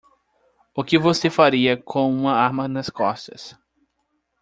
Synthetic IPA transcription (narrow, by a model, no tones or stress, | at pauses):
ʊkɪvosefaɾiɐkʰõw̃ũmɐaɾmɐnɐskɔst̪ɐ̰s